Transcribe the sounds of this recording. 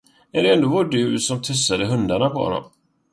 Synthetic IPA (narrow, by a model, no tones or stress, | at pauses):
ɛd̪ɛɛnd̪oːvɔɖʉ̟ːsɔmt̪ʰɵsːad̪əɦɵnd̪aɳapʰɔhɔ̰nːɔ̰m